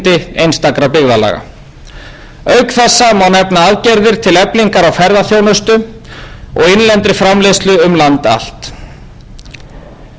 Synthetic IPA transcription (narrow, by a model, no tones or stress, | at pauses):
t̪ɪejnst̪akɾapɪɣðala̰ːɣa̰ | œɥkθɛsːamawnɛpnaaðcɛɾðɪɾ̥t̪ʰɪlɛpliŋkaɾawfɛɾðaθjownʏst̪ʏ | ɔɣɪnlɛnt̪ɾɪfɾamlest̪lʏʏmlant̪a̰l̥t̪